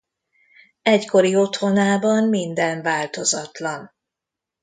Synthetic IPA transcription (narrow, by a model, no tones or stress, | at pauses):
ɛcko̞ɾio̞t̪ho̞naːbɒmmind̪ɛnvaːlt̪o̞zɒt̪lɒn